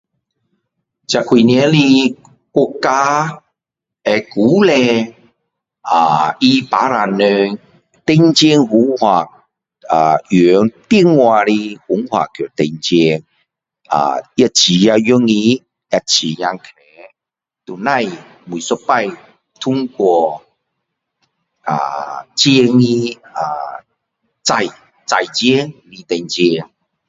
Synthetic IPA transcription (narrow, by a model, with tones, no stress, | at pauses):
t͡ɕa˨kʰwi˨nɛ˧˦li˧ | kɔ˧kːa˦ | ɛ˧ku˨˦lɛ˧ | a˨i˦pa˨˦ɾa˨nø˧ | t̪e˧ŋt͡ɕɛ˦˧ŋhu˨˦ŋhwa˨˩k̚ | a˨˩jø˨˦ŋt̪i˥˧ŋwa˧ɾi˧hu˨˦ŋhwa̰˨kʰt̪e˧nt͡ɕɛ˧ŋ | a̰˨a˧t͡ɕi˨˦ja˧ju˦ŋi˧ | a˧t͡ɕʰi˨˩ja˧ŋkʰɛ˨˦ | t̪u˨˩nã˥˧˨j | m˧i˨sɔ˦pa˥˧˨j | t̪ʰu˦ŋkwɔ˧˩ | a̰˨t͡ɕi˧˦ŋi˧a˨˩ | t͡sa˧j | t͡sa˨jt͡ɕi˦ŋli˧t̪ɛ˧nt͡ɕi˧ŋ